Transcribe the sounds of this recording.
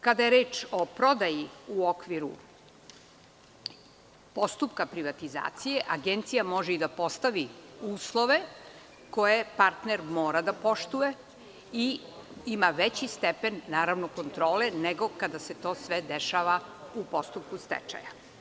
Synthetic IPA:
kad̪ajeɾeːt͡ʃo̞pɾo̞d̪ajiuokʋiɾṵ | po̞st̪upkapɾiʋat̪iza̰ːt̪sije̞ʔaɡent̪sijamo̞ʒeid̪apo̞st̪aʋiuːslˠo̞ʋe̞ | ko̞je̞paɾt̪neɾmoːɾad̪apo̞ʂt̪uje̞ | iimaʋet͡ɕist̪epe̞nːaːɾaʋnoko̞nt̪ɾo̞ːleneɡo̞kad̪ase̞t̪o̞ːsʋed̪eʃaʋaupo̞st̪up̚kust̪ɛ̰t͡ʃa̰ja̰

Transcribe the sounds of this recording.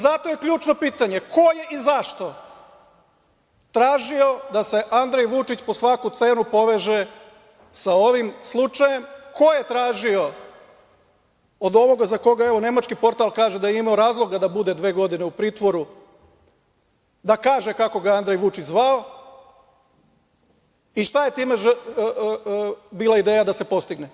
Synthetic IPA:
zat̪o̞jekʎuːt͡ʃno̞piːt̪aɲe̞kʰo̞je̞ʔizaʃt̪o̞ | t̪ɾaːʒio̞d̪ase̞ʔand̪ɾejʋut͡ʃit͡ɕpo̞sʋakut̪se̞ːnupo̞ʋe̞ʒe | saoʋimslˠut͡ʃaje̞mko̞je̞t̪ɾaːʒio̞ | od̪o̞ʋo̞ɡazako̞ɡae̞ʋo̞ne̞mat͡ʃkipo̞ɾt̪alˠkaːʒed̪ajeimao̞ɾaːzlˠo̞ɡad̪abud̪e̞d̪ʋe̞ːɡo̞d̪ine̞upɾiːt̪ʋo̞ɾu | d̪akaːʒe̞kako̞ɡaand̪ɾejʋut͡ʃit͡ɕzʋao̞ | iʃt̪aje̞t̪iːme̞ʒ | biːlˠaid̪eːjad̪ase̞po̞st̪iɡne

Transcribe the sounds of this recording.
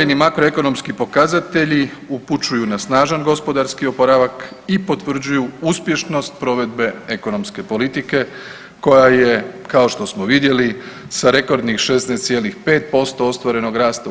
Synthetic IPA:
enimakɾoe̞ko̞no̞mskipo̞kazat̪e̞ʎi | uput͡ʃujunasnaːʒanɡo̞spo̞d̪aɾskio̞poɾaʋakipo̞t̪ʋr̩d͡ʑujuuspje̞ʃno̞st̪̚pɾo̞ʋe̞d̪̚be̞eko̞no̞mske̞po̞lit̪ike̞ | ko̞jaje̞kao̞ʃt̪o̞smoʋid̪je̞li | saɾe̞ko̞ɾd̪nixʃe̞snest̪sje̞lixpe̞ːt̪̚po̞st̪o̞ost̪ʋaɾe̞no̞ɡɾaːst̪a

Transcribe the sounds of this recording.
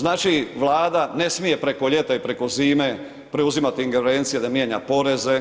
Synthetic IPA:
znaːt͡ʃiʋlaːd̪ane̞smije̞pɾe̞ko̞ʎe̞t̪aipɾe̞ko̞ziːme̞ | pɾeuzimat̪iiŋɡeɾeːnt̪sijed̪amje̞ːɲa̰po̞ɾe̞ze̞

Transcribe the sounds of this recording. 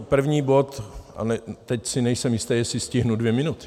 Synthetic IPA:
pr̩vɲiːbo̞t̪a̰nɛt̪ɛcsɪnɛjsɛmjɪst̪ɛːjɛsɪscɪɦnudvjɛmɪnut̪ɪ̥

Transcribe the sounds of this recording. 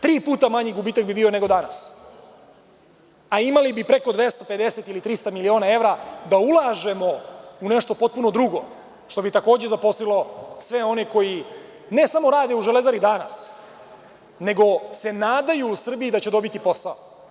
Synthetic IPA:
t̪ɾiːpuːt̪amaɲiɡubiːt̪akbibiːo̞ne̞ɡo̞d̪ana̰s | aimalibipɾe̞ko̞d̪ʋe̞st̪ape̞d̪e̞se̞t̪ilit̪ɾist̪amilio̞ːnae̞ʋɾad̪aulˠaʒe̞mo̞uneʂt̪o̞po̞t̪̚puno̞d̪ɾuɡo̞ | ʂt̪o̞bit̪akoːd͡ʑezapo̞slilo̞sʋe̞o̞ne̞ko̞ji | ne̞samo̞ɾaːd̪e̞uʒele̞zaɾid̪ana̰s | ne̞ɡo̞se̞naːd̪ajuːsr̩biid̪at͡ɕe̞d̪o̞bit̪ipo̞sao

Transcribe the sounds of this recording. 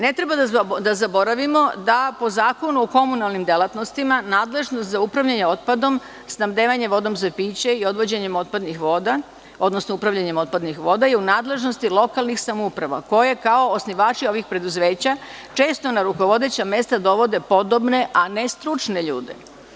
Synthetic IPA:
ne̞t̪ɾe̞bad̪ad̪azabo̞ɾaʋimo̞d̪apo̞zaːko̞nuoko̞munalˠnimd̪elˠat̪no̞st̪imanaːd̪le̞ʒnost̪zaupɾaʋʎaɲeo̞t̪̚pad̪o̞m | snamd̪eːʋaɲe̞ʋo̞d̪o̞mzapiːt͡ɕeio̞d̪ʋo̞d͡ʑeɲemo̞t̪̚pad̪nixʋod̪a | o̞d̪no̞snoupɾaʋʎaɲemo̞t̪̚pad̪nixʋo̞d̪aiunaːd̪le̞ʒnost̪ilˠo̞kalˠnixsamoupɾaʋa̰ko̞jekao̞ːsniʋaːt͡ʃio̞ʋixpɾe̞d̪uzʋe̞ːt͡ɕat͡ʃe̞ːst̪o̞naɾuko̞ʋo̞d̪e̞t͡ɕame̞st̪ad̪o̞ʋo̞d̪e̞po̞d̪obne̞ʔane̞st̪ɾut͡ʃne̞ʎṵːd̪ḛ

